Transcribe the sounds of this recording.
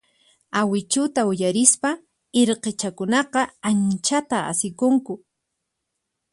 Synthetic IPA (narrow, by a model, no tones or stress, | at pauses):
awɪt͡ʃʊt̪aʊjaɾɪspa | eɾqet͡ʃakʊnɑqɑant͡ʃat̪aa̰sɪkʊŋkʊ